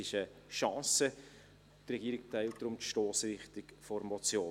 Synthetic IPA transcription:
ɪʃəʃɑ̃ːsə | t̪rɛɡiːɾɪk̚taɪlt̚d̥ɾʊmtʃtoːsɾɪχtɪkfɔɾmɔt͡sjoː

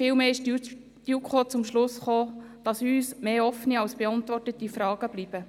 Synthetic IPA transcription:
fɪːlmeːɪʃ | jukχoːt͡sʊmʃlʊsχoː | d̥ɑsyːsmeːɔfniɑwsb̥eɑntvɔrtətifɾɑːɡ̥əb̥lib̥ə

